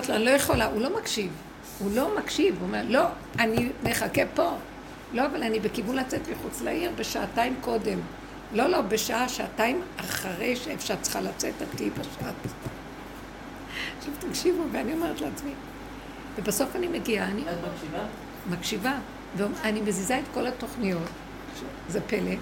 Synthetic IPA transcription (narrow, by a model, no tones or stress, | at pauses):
t̪loanilojeχolaʔulo̞makʃiv | ulo̞makʃivuome̞ʁlo̞ | anime̞χakepo̞ | lo̞avalanibe̞kivunlat͡setmiχut͡slaʔiʁbeʃaːtaimko̞de̞m | lo̞lo̞be̞ʃaaʃaːtaimaχaʁejʃeefʃaʁtt͡sə̥χaʁlat͡setatibaʃat | ʃuvtakʃivuveanio̞me̞ʁet̪leat͡smi | vebaso̞fanimeɡiaani | makʃiva | veanime̞zizaet̪ko̞lato̞χnijo̞t | ʃe | zepele